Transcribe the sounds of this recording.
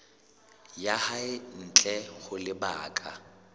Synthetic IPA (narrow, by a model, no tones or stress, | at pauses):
jahaɪn̩t͡ɬʼɛɣʊlɪba̰ːkʼa